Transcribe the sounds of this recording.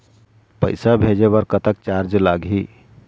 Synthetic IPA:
pəjsabʱed͡ʒeβəɾkət̪ək̚t͡ʃaɾd͡ʒlaɡɦi

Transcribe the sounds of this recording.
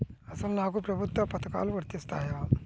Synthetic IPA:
əsalnakupɾɐbʱut̪ːɐpɐt̪ka̰lʋəɾt̪ist̪aɦea

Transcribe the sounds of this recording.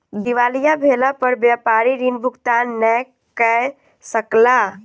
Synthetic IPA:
d̪iʋaːlijabʱeːlapəɾbjaːpaːɾiɾiːnbʱʊɡt̪aːnːɛ | kɛ | səkla

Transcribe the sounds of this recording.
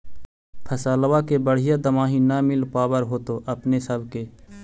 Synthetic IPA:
pʰɐsaːlwakebəɽ̤ɪjad̪əmaːɦinamɪlpaːbəɾɦoːt̪oːʔɐpnesəbʱkeː

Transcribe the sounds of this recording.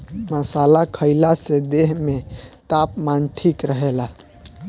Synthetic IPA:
məsalakʰəɪlased̪eɦmet̪apmanʈʰikɾəɦela

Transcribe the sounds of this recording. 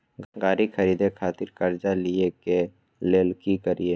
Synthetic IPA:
ɡaːɾikxʰəɾiːd̪ekʰaːt̪ɪɾkəɾd͡ʒalieke | leːlkikəɾie

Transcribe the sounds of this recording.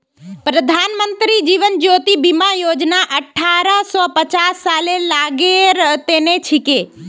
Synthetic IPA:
pɾəd̪ʱaːnmənt̪ɾid͡ʒiʋənd͡ʒoːt̪ibimajoːd͡ʒnaʔəʈʰaːɾəsɔpət͡ʃasːaːlelaːɡeɾt̪eːnet͡ʃʰɪke

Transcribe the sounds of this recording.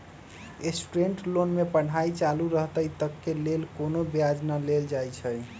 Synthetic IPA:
esʈɾeɳʈlonmepəɽ̤ajt͡ʃaluɾəɦt̪əjt̪əkːelelkonobijad͡ʒnaleld͡ʒajt͡ʃʰəj

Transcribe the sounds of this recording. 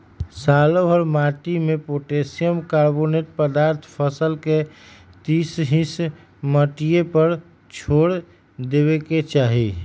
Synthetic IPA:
saːloɦɔɾmaʈimepoʈesijəmkaɾboneʈ̚pəd̪aːɾt̪ʰpʰəsəlket̪isɦis | məʈijepəɾ | t͡ʃʰoːɽ | d̪ebeket͡ʃaːɦḭ

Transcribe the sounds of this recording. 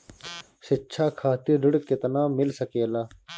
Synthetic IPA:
sɪt͡ɕʰaːkʰaːt̪iːɖʊɽkːet̪ɐnaːmɪlsɐkeːlaː

